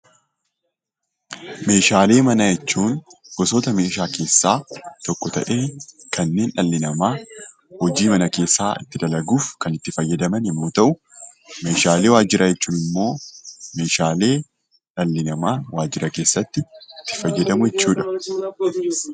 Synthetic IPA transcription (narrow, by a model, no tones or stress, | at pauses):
me̞ːʃaːle̞ːmɐnɐjɛt͡ʃːuːnɡ̥ɔsoːt̪ɐme̞ːʃaːke̞ːsːaːt̪ɔkʼːɔt̪ɐ̰ʔe̞ːkɐnːe̞ːnᶑɐlːɪnɐmaː | hɔd͡ʒiːmɐnɐke̞ːsːaːɪ̰t̪ːɪd̪ɐlɐɡuːfkɐnɪt̪ːɪfɐjːɐd̪ɐmɐnɪmːoːt̪ɐʔʊ | me̞ːʃaːle̞ːwaːd͡ʒɪɾɐjɛt͡ʃːuːnɪmːo̞ːme̞ːʃaːle̞ː | ᶑɐlːɪnɐmaːwaːd͡ʒɪɾɐke̞ːsːɐt̪ːɪɪt̪ːɪ̥fɐjːɐd̪ɐmʊjɛt͡ʃːuːᶑɐ̥